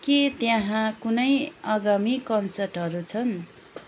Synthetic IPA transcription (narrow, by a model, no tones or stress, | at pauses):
kit̪jãɦãkunʌjʌɡamikʌnsʌrʈɦʌɾut͡sʰʌn